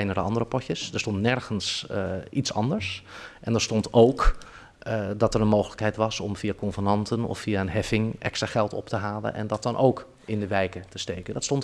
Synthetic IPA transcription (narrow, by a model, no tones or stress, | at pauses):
ɛjnədəɑndərəpɔtəsdəɹstɔntnɛɹχənsitsɑ̰ndəɹsʔɛndəɹstɔntʰowk | dɑtəɾənmowχələkɦɛjtʋɑsɔ̰mvijakɔnvənɑntənɔ̰fːijaənɦɛfɪŋʔɛ̰kstraːχɛlˠtɔ̰ptəɦaːlə̰nʔɛ̰ndɑt̚dɑnʔowk | ɪndəʋɛjkətəstejkəndɑtstɔnt